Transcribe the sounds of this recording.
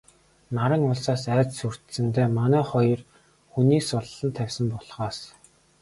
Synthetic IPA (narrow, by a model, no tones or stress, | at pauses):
naɾə̆ŋʊɮsaːsæːt͡ssur̥t̪sɘ̆nt̪eːmanæːχɔjɞ̆r | xuniːksʊɮːə̆nt̪ʰæwʲsə̆mpɔɮχaːs